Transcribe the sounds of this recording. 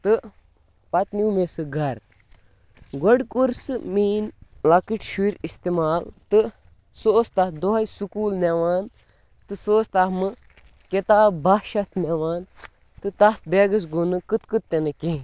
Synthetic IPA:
t̪ɨ | pɐt̪niwmesɨɡɐɾ | ɡoɖkuɾsɨmiːnlɐkiʈʃiɾist̪emaːlt̪ɨ | soːst̪ɐd̪oɦɐjsukuːlneʋaːn | t̪ɨsoːst̪amɨ | ket̪aːbaʃɐt̪ʰneʋaːn | t̪ɨt̪ɐt̪̚beːɡɐs̬ɡunɨkɨt̪kɨt̪ːenɨke

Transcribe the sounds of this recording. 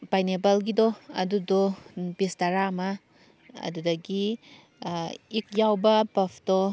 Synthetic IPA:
bajnebɐlɡidoɐ̰dudobistaɾamɐ | ɐ̰dudɐɡi | ik̚jawbɐpɐpʰd̥o

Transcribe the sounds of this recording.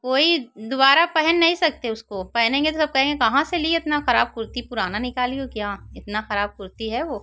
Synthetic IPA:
koːid̪ʊbaːɾapɛɦɛnːɐɦĩsɐk̚t̪eʊskopɛɦɛnẽːŋɡet̪osɐb̚kɛɦẽːŋɡekɐɦãselieɪt̪naxɐɾaːb̚kʊɾt̪ipʊɾaːnanɪkaːliokjaːɪt̪naxɐɾaːb̚kʊɾt̪iɦɛʋoː

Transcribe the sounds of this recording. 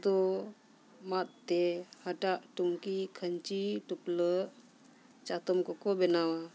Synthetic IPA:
t̪ɔ | mat̪̚t̪ehaʈaʔʈumkikʰəɲt͡ʃiʈupləʔ | t͡ʃat̪ɔmkɔkɔbɛnawa

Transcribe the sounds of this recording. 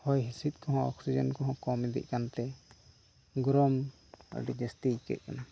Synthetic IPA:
hɔjɦisit̪̚kɔɦɔ̃ɔ̰ksid͡ʒənkɔɦɔ̃kɔmid̪ḭʔ̚kant̪ɛ | ɡɾɔm̰ | ɖid͡ʒɛsʈikɛ̰t̪̚ˀkana

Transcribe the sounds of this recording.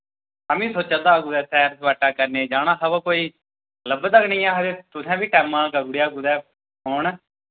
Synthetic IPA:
aːmĩːsoːt͡ʃə̃nd̪aːɡuːd̪ɛːsʰɛːɾsʋaːʈːaːkəɾneːd͡ʒaːnaːɦəʋə̃ːkoːiː | ləbt̪əknĩːaːɦəd̪eːt̪ʊsɛ̃ːbiːʈɛːmaːlkəɡuːɽejaːɡuːd̪ɛː | ɦʊːɳ

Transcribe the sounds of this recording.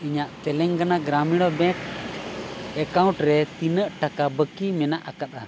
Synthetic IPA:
iɲaʔt̪ɛlɛŋɡanaɡɾamiɽ̃ɔbɛ̃k | ɛkaw̃ʈɾɛt̪inəʔʈakabəkimɛnaʔakat̪̚a

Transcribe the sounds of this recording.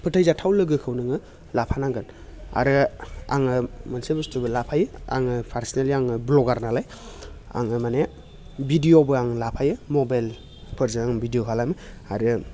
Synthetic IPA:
pʰɯtʰajzatʰawlɯɡɯkʰɯwnɯŋɯ | lapʰanaŋɡɯn | a̰ɾɯa̰ŋɯmɯnsebɯstʰubɯlapʰajɯa̰ŋɯpʰaɾsneliaŋɯblɔɡaɾnalaj | a̰ŋɯmane | bʱidijobɯaŋlapʰajɯmɔbajl | pʰɯɾzɯaŋbʱidijokʰalajmɯaɾɯ

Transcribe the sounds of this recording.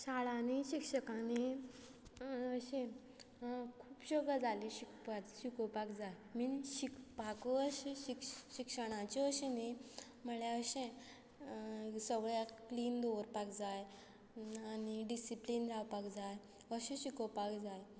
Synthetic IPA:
saɭãniɕikɕəkãni | əɕẽ | kʰuːpɕəɡad͡zaliɕikpat̪ɕikopakd͡zaj | minɕikpakəəɕeɕikɕikʂəɽ̃ãt͡ɕiəɕẽni | məɭjaəɕẽ | səɡɭjakliːnd̪oɾpakd͡zaj | aniɖisiplinɾawpakd͡zaj | əɕẽɕikopakd͡zaj

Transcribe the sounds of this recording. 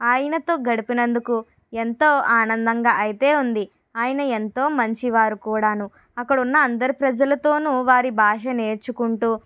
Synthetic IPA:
aːjɐnɐt̪o̞ːɡɐɽipinɐnd̪uku | e̞nt̪o̞ːʔaːnɐnd̪ɐŋɡaːʔɐjit̪e̞ːund̪i | aːjɐnɐe̞nt̪o̞ːmɐɲt͡ʃiʋaːɾukuːɽaːnu | ɐkːɐɽunːɐːnd̪ɐɾipɾɐd͡ʒɐlɐt̪o̞ːnuʋaːɾibʱaːʂɐne̞ːɾt͡ʃukuɳʈuː

